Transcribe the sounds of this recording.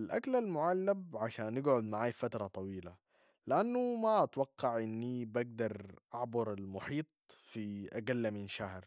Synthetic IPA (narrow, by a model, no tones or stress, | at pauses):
alʔaklalmʊʕalːab̚ʕaʃaːnːɪɡʕʊd̪maʕaːjfat̪ɾˤɑt̪ˤɑwiːla | lɪʔanːumaʔat̪wɑqːɑʕʔɪnːibaɡ̚d̪ɑɾˤʔaʕbʊɾˤalmʊħiːt̪̚ˤfiʔaɡalːaminʃahɾ